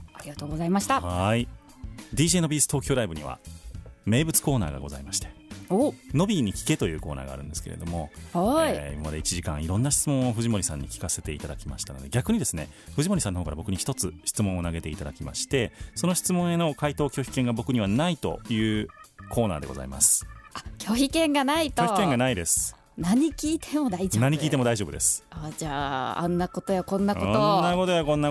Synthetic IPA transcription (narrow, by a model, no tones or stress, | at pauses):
aɾʲiɡat̪o̞ːɡo̞zaimaɕi̥t̪ahi | d̪ʲiːʑeːno̞bʲiːsɨ̥t̪o̞ːkʲo̞ːɾaibɯ̟ɲ̟iβa̰me̞ːbɯ̟t͡sɨ̥ko̞ːna̰ːɡa̰ɡo̞za̰imaɕi̥t̪e̥ | no̞bʲiɲ̟ikʲi̥ke̞t̪o̞jɯ̟ːko̞ːna̰ːɡa̰ːɾɯ̟̃nd̪e̞sɨ̥kḛɾḛd̪o̞̰mo̞aḭmamad̪e̞it͡ɕiʑikã̰ɰ̃iɾõ̞nːaɕi̥t͡sɨmõ̞ɰ̃oɸɯ̟ʑimo̞ɾʲisãɲ̟ːikʲi̥kase̞t̪e̞ḭt̪ad̪akʲima̰ɕi̥t̪ano̞d̪e̞̰ɡʲakɯ̟ɲ̟id̪e̞sɨne̞̰ | ɸɯ̟ʑimo̞ɾʲisanːooːkaɾabo̞kɯ̟ɲ̟içi̥t̪o̞t͡sɨɕi̥t͡sɨmõ̞ɰ̃o̞naɡe̞t̪e̞it̪ad̪a̰kʲima̰ɕi̥t̪e̞so̞no̞ɕi̥t͡sɨmõ̞ɰ̃e̞no̞kait̪o̞ːkʲo̞ːçi̥kẽ̞ŋɡabo̞kɯ̟ɲ̟iβanait̪o̞̰jɯ̟ːkʰo̞ːna̰ːd̪e̞ɡo̞za̰ḭma̰sɨ̥akʲoçikẽ̞ŋɡanaitk̪oːçikeŋɡanaid̪e̞sɨ̥ | naɲ̟ikʲiːt̪ʰemod̪aid͡ʑonaɲ̟ikʲiːt̪emo̞d̪aiʑo̞bd̪e̞sɨ̥ad͡ʑaːa̰nːakot̪ojakõ̞nːakooonnːako̞t̪ojakõ̞nːa